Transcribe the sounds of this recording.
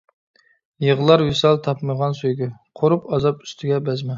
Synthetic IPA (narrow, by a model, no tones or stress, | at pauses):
jəʁlˠɑɾwisɑlˠt̪ʰɑpməʁɑnsujɡʲɪqʰoɾupɑzɑpy̥st̪ʰɪɡʲɛbɛzmɛ